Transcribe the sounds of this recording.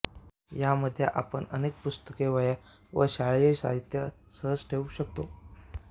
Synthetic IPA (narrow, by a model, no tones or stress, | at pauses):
jaməd̪ʱːja̰ʔa̰pəɳə̰nek̚pust̪əkeʋəja | ʋə̰ɕaɭjeɕa̰ɦit̪jəsəɦəd͡zʈʰeʋuɕək̚t̪o